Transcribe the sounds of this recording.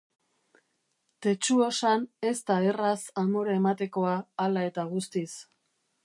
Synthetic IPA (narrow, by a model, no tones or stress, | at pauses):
t̪e̞t͡ʃuo̞sane̞st̪aerasamoɾaemat̪e̞ko̞aːlae̞t̪aɣ̞ust̪is